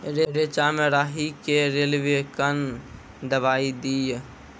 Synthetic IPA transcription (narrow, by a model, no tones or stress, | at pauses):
ɾeɾet͡ʃaːmeɾaːɦikeɾeːlʋekən | d̪əbaːid̪ij